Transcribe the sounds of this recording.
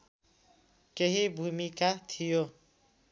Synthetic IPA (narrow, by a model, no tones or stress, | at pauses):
keɦibʱumikat̪ʰijo